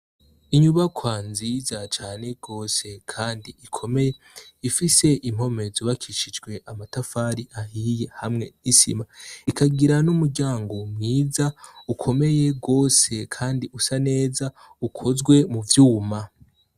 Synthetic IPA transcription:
iɲuβakwaːnzizat͡ʃaːne̞ɡ̥o̞ːse̞kʰaːndiikʰo̞me̞je̞ | ifise̞ʔimho̞me̞zoβakʰiʃid͡ʒɡwe̞ʔamatafaɾiʔahije̞hamŋe̞nisḭmaikaɡiɾanumuɾɟaːŋɡo̞mŋiːzaukʰo̞me̞je̞ɡo̞ːse̞kʰaːndiʔusane̞ːza | ukʰo̞zɡwe̞muvjuːma

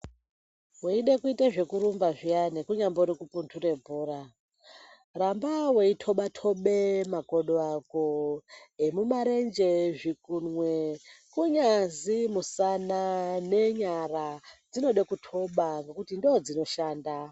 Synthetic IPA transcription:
weiɗekuitaʐe̞kuɾumbaʐijanekuɲamboɾikupuntʰure̞bʱuːɾa | rambaweitʰo̞ɓatʰo̞ɓemaɡʱoɗoako | emumaɾend͡ʒe̞ʐikunwekuɲazimusanane̞ɲarad͡zino̞ɗekutʰo̞ɓaŋɡe̞kutindod͡zino̞ʃaːnda

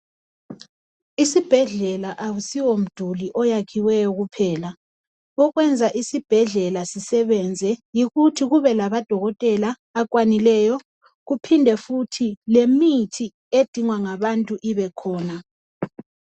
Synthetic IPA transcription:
isib̥ʱɛɮɛlaʔawusiwom̩d̥ʱuliʔɔjakʰiwɛjɔɣupʰɛːla | ɔɣwɛnd͡zʱaʔisib̥ʱɛɮɛlasisɛβɛnd͡zʱɛjiɣutʰiɣuβɛlaβad̥ʱɔɣɔtʼɛlaː | k̬ʼwanilɛjɔ | ɣupʰindʱɛfutʰilemitʰi | ed̥ʱiŋwaŋaβantʼuʔiβɛkʰɔːna

